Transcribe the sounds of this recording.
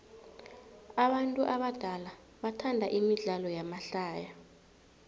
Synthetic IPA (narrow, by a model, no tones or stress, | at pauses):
aɓantʼuʔaɓad̥ʱala | ɓatʰandʱaʔimiɮalɔjamaɬaːja